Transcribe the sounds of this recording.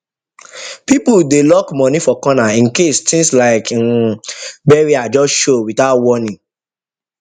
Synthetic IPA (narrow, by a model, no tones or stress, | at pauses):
pipudelɔkmɔ̃nifɔkɔnaĩnkestʰĩŋslaɪk | bɛɹiad͡ʒɔsʃowitaʊtwɔnĩ